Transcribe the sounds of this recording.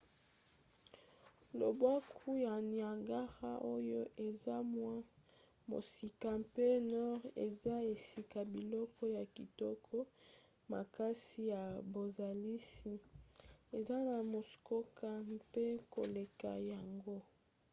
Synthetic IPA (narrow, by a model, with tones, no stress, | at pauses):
lo̰˨ba˦kʰu˦ja˨n˨a˨ŋɡa˦ʁa˦ʔo˦jo˦ʔe˨za˦mwa˦ | mo̰˨si˨ka˨mpe˦nɔ˦ʁḛ˨za˦e˨si˦ka˨bi˨lɔ˦kɔ˦ja˨ki˨tɔ˦kʰɔ˦ | ma̰˨ka˦si˦ja˨bo˨za˨li˦si˨ | e˨za˦na˨mo˨sko˦ka˦pe˦ko˨le˨ka̰˨ja˨ŋɡo˦